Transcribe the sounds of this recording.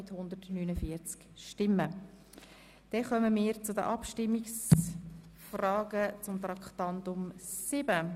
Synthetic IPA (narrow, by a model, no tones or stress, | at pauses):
ɪthʊnd̪ətnyːnəfiəɾt͡skʃtɪmːə | d̪̥ɛχœməmɪːɾt͡sʊdə̰ʔɑpʃtɪmːiks | frɑːɡət͡sʊmt̪ɾɑkχt̪ɑntʊmsɪb̥ə